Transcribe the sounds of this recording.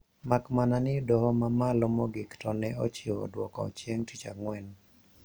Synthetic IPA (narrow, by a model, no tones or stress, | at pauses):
makmananɪdɔɦɔmamalɔmɔɡɪktɔnɛot͡ʃɪodwɔkɔ̰t͡ʃjeŋtit͡ʃa̰ŋwɛn